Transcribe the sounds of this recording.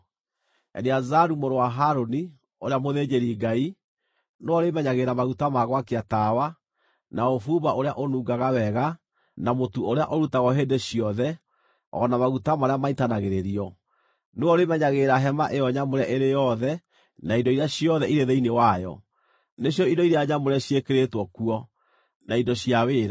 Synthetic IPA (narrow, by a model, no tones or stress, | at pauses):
ɛ̰neazaɾumoɾowaɦaɾoni | oɾeamoðed͡ʑeɾiɡai | noɔɾemɛɲaɣeɾamaɣutamaɣwakeatawa | naofuβaoɾeaʔonuːɡaɣawɛɣa | namotuoɾea̰ʔoɾutaɣɔɦedeɕiɔðɛ | ɔ̰ːnamaɣutamaɾeamaitanaɣeɾeɾiɔ | neɔɾemɛɲaɣeːɾaɦɛmaʔejɔɲamoɾɛʔeɾejɔðɛ | naindɔiɾeaɕiɔðɛiɾeðeinewajɔ̰ | neɕjɔidɔiɾejaɲamoɾɛɕiekeɾetwɔkuɔ | naidɔɕiaweːɾa